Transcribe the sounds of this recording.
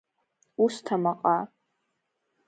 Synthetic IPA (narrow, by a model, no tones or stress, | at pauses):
ustʰamaqʼa